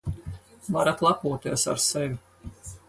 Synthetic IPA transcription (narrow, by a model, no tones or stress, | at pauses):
vaɾat̪lˠakuɔt̪iɛsa̰ɾsɛvʲi